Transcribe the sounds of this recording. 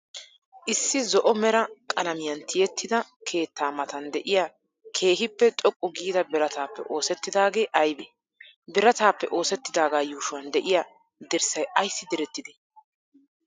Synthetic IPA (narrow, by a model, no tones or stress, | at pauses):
ʔɪsːɪzɔʔɔmɛɾɐkʼɐnɐmɪjɐnt̪ʰɪjɛt̪ːɪd̪ɐkʰe̞ːt̪ːaːmɐt̪ɐnd̪ɛʔɪjaː | kʰe̞ːɦɪpːɛt͡ʃʼɔkʼːʊɡiːd̪ɐbɛɾɐt̪aːpːɛ̰ʔo̞ːsɛt̪ːɪd̪aːɡe̞ːʔɐjbeː | bɪɾɐt̪aːpːɛʔo̞ːsɛt̪ːɪd̪aːɡaːjuːʃʊwɐnd̪ɛʔɪja | d̪ɛɾsɐjɐjsːɪd̪ɛɾɛt̪ːɪd̪ɪ̥